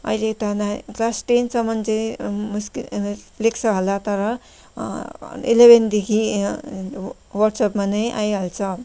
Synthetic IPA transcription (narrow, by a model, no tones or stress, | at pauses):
ʌ̰ilet̪ʌnaklasʈensʌmʌnt͡semuskipʰleksʌɦolat̪ʌɾʌ | ḭlebʱend̪ekʰi | wʌrksʌpmanʌjʔajalt͡sʰʌ